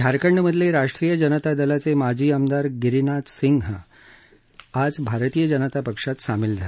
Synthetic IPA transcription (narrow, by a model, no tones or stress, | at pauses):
ɡʱaɾkəɳɖəməd̪ʱleɾaʂʈɾiːjəd͡ʑənət̪ad̪əlat͡semad͡ʑʱiːəmd̪aɾɡiɾinat̪siŋɡɦə | ad͡zbʱaɾt̪iːjəd͡ʑənət̪apəkʂat̪samild͡zʱal